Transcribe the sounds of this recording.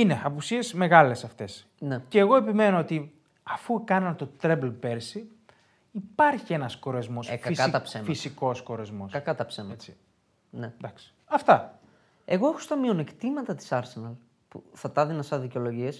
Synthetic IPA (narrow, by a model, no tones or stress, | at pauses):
ineɐpusie̞zme̞ɣɐle̞sɐft̪e̞s | neceːɣo̞e̞pime̞noot̪i | ɐfukɐnɐnt̪ot̪ɾeblpeɾsi | ipɐɾçie̞nɐsko̞ɾezmo̞sɐisɐt̪ɐpsemfisiko̞skoɾezmo̞sɐk̪ɐt̪ɐpsemɐet͡si | ned̪ɐksi̥ɐft̪ɐ | e̞ɣo̞exost̪ɐmione̞kt̪imɐt̪ɐt̪i̥sɐɾse̞nɐl | puθɐt̪ɐðinɐsɐðiceo̞lo̞ʝies